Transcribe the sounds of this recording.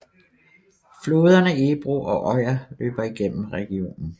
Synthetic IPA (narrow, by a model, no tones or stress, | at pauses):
flo̝ːð̞ˠɐnəeb̥ʁoʔɒ̽ʔɒɪɐlø̰ːb̥ɐiɡ̥en̰m̩ʁɛɡ̥io̝̰ːnn̩